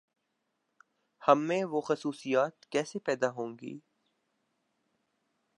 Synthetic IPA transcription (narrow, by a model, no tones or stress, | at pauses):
hɐmːẽʋoxɐsuːsijaːt̪kɛːsepɛːd̪aɦõːŋɡḭː